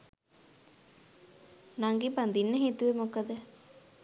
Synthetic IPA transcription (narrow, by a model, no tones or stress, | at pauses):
naŋɡiband̪inːəɦet̪uʋemokəd̪ə